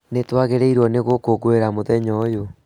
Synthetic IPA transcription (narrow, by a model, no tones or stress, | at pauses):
netwaɣeɾeiɾwɔneɣokoɣoeɾamoðɛɲɔjo